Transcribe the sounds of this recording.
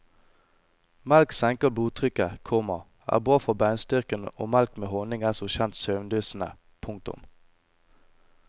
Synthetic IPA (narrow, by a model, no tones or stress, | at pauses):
mɛlksɛŋkəbluːt̪ʰʁʏkəkʰɔmɑ | ʔæ̰ːbʁɑːfɔbæʏnst̪ʏʁkəno̰ːmælkmeːhɔːnɪŋæːsɔçɛnt̪søːʋnd̪yːsn̩ə̰ | pʰʊŋk̚t̪ʊ̰m